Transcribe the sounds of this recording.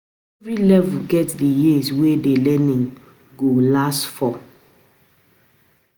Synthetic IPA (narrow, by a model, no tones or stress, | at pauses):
ɛvɹilɛvulɡɛtdijiswedelɛnĩŋ | ɡolastfɔ